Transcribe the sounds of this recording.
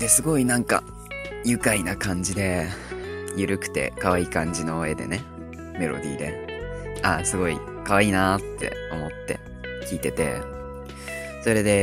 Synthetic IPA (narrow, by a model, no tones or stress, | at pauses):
d̪̥e̞sɨɡo̞inãŋka̰ | jɯ̟kainakãɲ̟d͡ʑid̪e̞ | jɯ̟ɾɯ̟kɯ̟̥t̪e̞̰kaβaiːkãɲ̟d͡ʑino̞e̞d̪e̞̰ne̞ | me̞ɾo̞̰d̪ʲḭːd̪e̞̰ | asɨɡo̞ḭ | kaβaiːnat̪ʰːe̞̰o̞mo̞t̪ːe̞̰ | kʲiːt̪e̞t̪e̞̰ | so̞ɾe̞d̪e̞